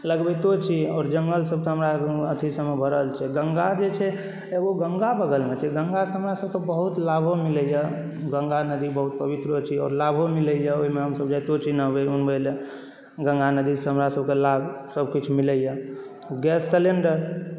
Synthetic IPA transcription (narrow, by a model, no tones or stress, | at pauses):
ləɡbet̪ot͡ʃʰiɔːɾd͡ʒəŋɡəlsəb̚t̪ɦəmɾaət̪ʰisəmebʱəɾəlt͡ʃʰɛɡəŋɡad͡ʒet͡ʃʰɛ | eboɡəŋɡabəɡəlmet͡ʃʰɛɡəŋɡaseɦəmɾasəb̚kebəɦut̪labʱomiləjə | ɡə̃ŋɡanəd̪ibəɦut̪̚pəbit̪ɾət͡ʃʰiɔ̰ːɾlabʱomiləjəoɦimeɦəmsəbd͡ʒajt̪ot͡ʃʰinəbeunməle | ɡə̃ŋɡanəd̪isəɦəmɾasəbkelabsəbʱkit͡ʃʰmiləjə | ɡɛsːeleɳɖəɾ